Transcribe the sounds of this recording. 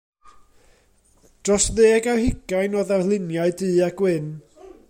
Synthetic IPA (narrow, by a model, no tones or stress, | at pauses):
d̥rɔsðeːɡawhɪɡ̥ajnɔðarlˠɪnjaɨdɨːaɡwɪn